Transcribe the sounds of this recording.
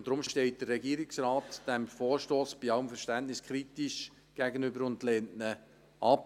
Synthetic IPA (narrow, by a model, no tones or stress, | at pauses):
d̥ɾʊmʃʃtɛɪt̚d̥ərːɛɡiːɾɪksrɑːtd̥ɛmfoːɾʃtoːsb̥iɑləmfɛɾʃtænʔnɪskʰχɾitɪʃ | ɡ̥æɡənʏbəɾʊndlɛːnnə | ʔɑp